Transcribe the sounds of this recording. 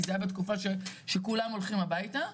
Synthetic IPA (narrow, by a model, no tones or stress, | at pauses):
zajabet̪kufaʃeʃekulamo̞lχimabajt̪a